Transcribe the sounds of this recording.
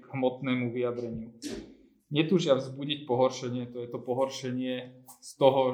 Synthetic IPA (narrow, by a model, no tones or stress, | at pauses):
ɡɦmɔt̪nɛːmuʋiad̪ɾɛɲɪu | ɲɛt̪uːʒɪavzbuɟic̚pɔɦɔɾʃɛɲɪɛt̪ɔjɛt̪ɔpɔɦɔɾʃɛɲɪɛst̪ɔɦɔ